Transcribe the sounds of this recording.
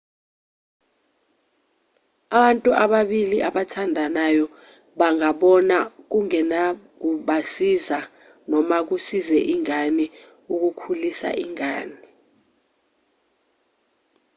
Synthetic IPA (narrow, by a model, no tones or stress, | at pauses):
aɓantʼuʔaɓaɓiliʔaɓatʰandʱanajɔ | ɓaŋaɓɔnak̬uŋɛnak̬uɓasiza | nɔmak̬usizɛʔiŋani | uk̬ukʰulisa̰ʔiŋaːni